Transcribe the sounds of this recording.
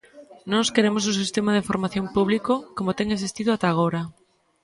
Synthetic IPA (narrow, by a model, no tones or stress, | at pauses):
nɔskeɾemos̬usist̪emað̞eifoɾmaθjõmpuβlikokomot̪eŋesist̪iðʊat̪aːɣ̞oɾa